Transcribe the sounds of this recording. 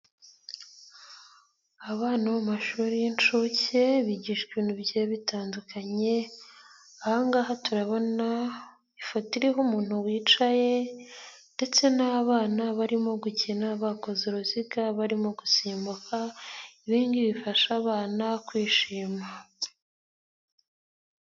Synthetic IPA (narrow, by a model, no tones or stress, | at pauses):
aβaːnaβamaʃuːɾijint͡ʃuce̞βiɟiʃkiːnubɟeβitaːndukʰaɲe̞ | ahaŋɡaːɦatuɾaβo̞na | ifatiɾiɦumuːn̥huwiːt͡ʃaje̞ | nde̞t͡se̞naβaːnaβaɾimo̞ɡucinaβako̞ziɾoziɡaβaɾimo̞ɡusiːmbukʰaiβiːndiβifaʃaːβaːnakwiːʃiːma